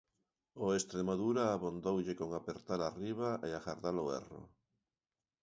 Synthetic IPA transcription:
oest̪ɾemaðuɾaːβond̪owʎekoŋapeɾt̪aɾariβ̞aʔeaɣaɾðaloɛ̰ro̰

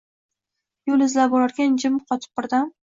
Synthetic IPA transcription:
jolɪzlabɒlaɾɡʲand͡ʒɪmqʰɒt̪ʰɪ̥p̚bɪɾd̪am

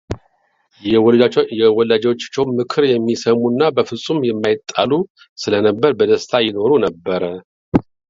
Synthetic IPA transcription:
ɛjɛwɔlːad͡ʒwot͡ʃːt͡ʃːɛwnmɨkʰɨɾjɛmːisəmunːabəfɨsʼumjɛmːajɪt̪ʼːalu | sɨlənəbːəɾbəd̪əst̪ʰajɪno̞ɾunəbːəɾə

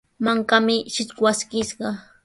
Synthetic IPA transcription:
maŋkamɪʃɪt͡ʃkwaskɪʃɢɑ

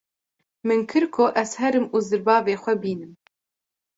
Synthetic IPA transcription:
mɨnkʰɨɾkʰoʔɛzhɛɾɨmuːzɨɾbɑːveːxʷɛbiːnɨm

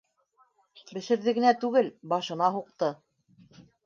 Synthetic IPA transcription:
bɘ̆ʃɘ̆ɾðɘ̆ɡɘ̆næt̪ʉɡɘlbɑʃɤ̆nɑɦuq̚t̪ɤ

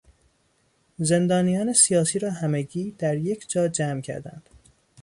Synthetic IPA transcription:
ze̞nd̪ɒːnijɒːne̞sijɒːsiːɾɒːɦæmeɟiːd̪æɾje̞cʰd͡ʒɒːd͡ʒæːmcʰæ̰ɾd̪æ̰nd̪̥

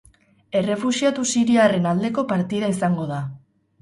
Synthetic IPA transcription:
e̞re̞fusiat̪usiɾiare̞nald̪e̞ko̞paɾt̪iðaisaŋɡo̞ð̞a

